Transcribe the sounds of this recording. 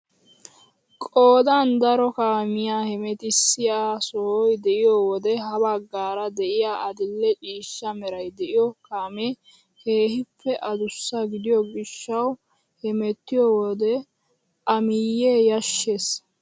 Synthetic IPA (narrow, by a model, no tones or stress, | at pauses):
kʼoːd̪ɐnd̪ɐɾɔkaːmɪjaːhɛmɛt̪ɪsːɪjaːsɔhɔjd̪ɛʔɪjɔwɔd̪ɛɦɐbɐɡːaːɾɐd̪ɛʔɪjaːʔɐd̪ɪlːɛt͡ʃʼiːʃːɐmɛɾɐjd̪ɛʔɪjɔkaːme | heːhɪpʰːɛʔɐd̪ʊsːɐɡɪd̪ɪjɔɡɪʃːɐw | hɛmɛt̪ːɪjɔwɔd̪ɛ | ʔɐmɪjːeːjɐʃːeːs